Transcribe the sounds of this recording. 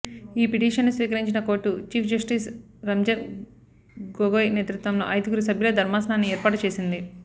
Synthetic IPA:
iːpiʈiːʂɐnːusʋiːkɐɾiɲt͡ʃinɐko̞ːʈːut͡ʃiːpʰd͡ʒɐsʈiːs | ɾɐmd͡ʒɐɾ | ɡoɡoːjneːt̪ɾut̪ʋɐmlo̞̰ːʔɐjt̪iɡuɾus̬ɐbʱjuloːd̪ʱɐɾmaːsɐnaːnːiɛːɾpaːʈut͡ʃe̞ːsind̪i

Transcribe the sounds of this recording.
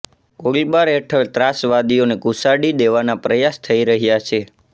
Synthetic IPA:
kolbaɾeʈʰəlt̪ɾasʋad̪ijonekusaɽid̪eʋanapɾəjast̪ʰəiɾəɦjat͡ʃʰe

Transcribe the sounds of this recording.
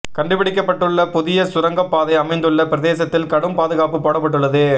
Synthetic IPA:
kɐɳɖɯpɪɽɪk̬ːɐpːɐʈːɯɭːɐpʊðɪjɐsʊɾɐŋɡɐpːaːðɐɪɐmɐɪnd̪ɯɭːɐpɪɾɐðeːsɐt̪ːɪlkɐɽɯmpaːðɯɣaːpɯpoːɽɐpːɐʈːɯɭːɐðɯ

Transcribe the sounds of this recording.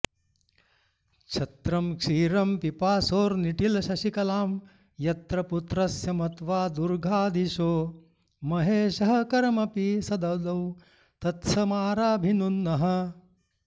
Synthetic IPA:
t͡ʃʰɐt̪ɾɐmkʂiːɾɐmpipaːsoːɾniʈilɐʃɐʃikɐlaːm | jɐt̪ɾɐput̪ɾɐsjɐmɐt̪ʋaːd̪uɾɡʱaːd̪ʱiʃoː | mɐɦeːʃɐɦɐkɐɾmɐpisɐd̪ɐd̪ɐw | t̪ɐt̪sɐmaːɾaːbʱinunːɐɦɐ̆

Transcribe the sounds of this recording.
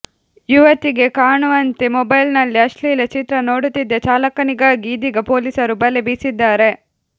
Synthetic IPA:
juʋɐt̪iɡe̞kaːɳuʋɐnt̪emɔbɐjlnɐlːiɐʂʈliːlɐt͡ʃit̪ɾɐnoːɽut̪ːid̪ːet͡ʃaːlɐkːɐniɡaɡiːd̪iɡɐpoːliːsɐɾubɐlːebiːsid̪ːaːɾe̞

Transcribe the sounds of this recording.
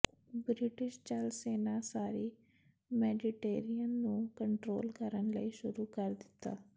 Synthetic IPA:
bɾɪʈɪʃt͡ʃəlseːnaːsaːɾiː | mɛːɖɪʈeːɾiənːũːkəɳʈɾoːlkəɾənləiːʃʊɾuːkəɾd̪ɪt̪ːa̰ː

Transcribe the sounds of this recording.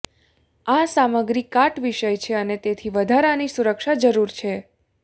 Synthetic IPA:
asaməɡɾikːaʈʋiʃəjt͡ʃʰeənet̪et̪ʰiʋəd̪ʱaɾanisuɾəkʃad͡ʒəɾuɾt͡ʃʰe

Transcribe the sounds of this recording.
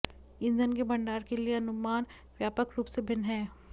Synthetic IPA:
ɪ̃nd͡ʒənkebɐɳɖaːɾkelieɐnʊmaːn | ʋjaːpəkɾuːpsebʱɪnɦɛː

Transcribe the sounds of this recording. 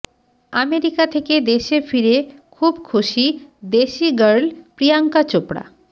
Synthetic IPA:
ameɾikat̪ʰeked̪eʃefiɾekʰubkʰuʃid̪eʃiɡəɾlpɾijaŋkat͡ɕopɾa̰

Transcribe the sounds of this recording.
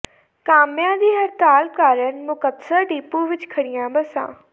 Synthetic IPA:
kaːmjãːd̪iːɦɐɾt̪aːlkaːɾənmʊkət̪səɾɖiːpũʋɪt͡ʃkʰɐɽijãːbɐsã̰ː

